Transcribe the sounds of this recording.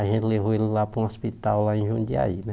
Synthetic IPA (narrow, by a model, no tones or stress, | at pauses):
aʒẽnt̪leɦoelilapɾũospit̪awlaẽʒũd͡ʒia̰inɛ